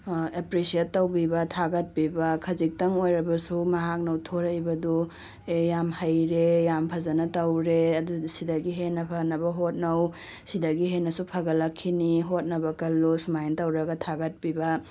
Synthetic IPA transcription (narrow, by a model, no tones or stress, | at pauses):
epɾesietːɐwbibɐtʰaɡɐt̚pibɐkʰɐzik̚tɐŋojɾɐbɐsumɐɦak̚nɐwtʰoɾɐjbɐdu | ejamhɐjɾejampʰɐzɐnɐtɐwɾeɐdusidɐɡiɦenːɐpʰɐnɐbɐɦot̚nɐw | sidɐɡiɦenːɐsupʰɐɡɐlɐkʰːiniɦot̚nɐbɐkɐlːusumajntɐwɾɐɡɐtʰaɡɐt̚pibɐ